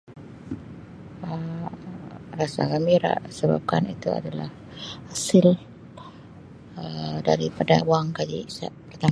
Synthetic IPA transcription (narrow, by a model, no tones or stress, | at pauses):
ə | rasa̰ɡamiɾa̰ʔsəba̰p̚kanit̪ua̰dala̰h | hasɪl | ədaɾipada̰waŋkad͡ʒḭsaʔpərt̪a